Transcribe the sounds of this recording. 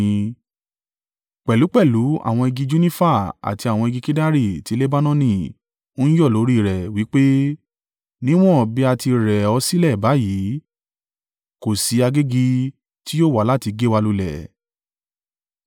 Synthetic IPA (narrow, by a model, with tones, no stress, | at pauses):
k͡pɛ˨lu˨˦k͡pɛ˦˨lu˨˦a̰˦˨w̃ɔ̃˧e˧ɡi˧d͡ʒu˦nĩ˦fa˦˨a̰˨ti˧a˨w̃ɔ̃˧e˧ɡi˧ki˦da˦ɾi˦˨ti˨˦le˦ba˦nɔ̃˦nĩ˦˨ | o˦n̩˦jɔ˦˨lo˨˦ɾi˦˨ɾɛ˨wi˨˦k͡pe˦ | nĩ˦w̃ɔ̃˦bi˦a˧ti˧ɾɛ˨ɔ˧si˦lɛ˦˨ba˨˦ji˨˦ | ko˨si˨˦a˧ɡe˦ɡi˧ | ti˦jo˦˨wa˨la˦˨ti˧ɡe˦wa˧lu˧lɛ̰˨